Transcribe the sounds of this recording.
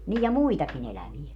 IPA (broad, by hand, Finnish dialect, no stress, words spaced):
nij jɑ muitɑkin elæʋie